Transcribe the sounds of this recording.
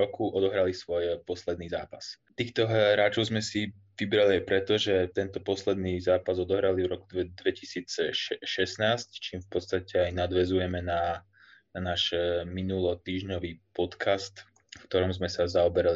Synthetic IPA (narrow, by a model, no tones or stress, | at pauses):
ɾɔkuʔɔd̪ɔɦɾalisʋɔjpɔslɛd̪niːzaːpast̪iːxt̪ɔɦɾaːt͡ʃɔʊzmɛsi | ʋibɾaliajpɾɛt̪ɔʒɛt̪ɛnt̪ɔpɔslɛd̪niːzaːpazɔd̪ɔɦɾalivɾɔkud̪ʋɛcisiːt͡sʃɛsnaːsct͡ʃiːmfpɔt̪st̪acɛajnad̪ʋɛzujɛmɛna | anaːʃminulɔt̪iːʒɲɔʋiːpɔt̪kʰast̪ | fkt̪ɔɾɔmzmɛsazaɔbɛɾali